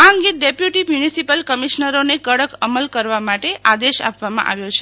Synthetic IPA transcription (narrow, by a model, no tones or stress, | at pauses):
aɦəŋɡeɖepjuʈimjunisipəlkəmiʃnəɾonekəɽəkəməlkəɾʋamaʈeʔad̪eʃa̰pʋamã̰ʔa̰ʋjot͡ʃʰe